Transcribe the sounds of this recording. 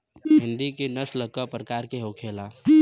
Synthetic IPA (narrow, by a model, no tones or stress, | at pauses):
ɦɪ̃nd̪ikenəsləkapɾəkaːɾkeɦokʰela